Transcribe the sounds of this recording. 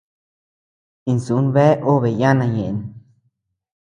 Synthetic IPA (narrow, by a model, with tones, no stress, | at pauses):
i˧nsu˨˦nβe˦ʔo˦βe˨ja˦nã˧˨ɲẽ˨ʔe˨n˨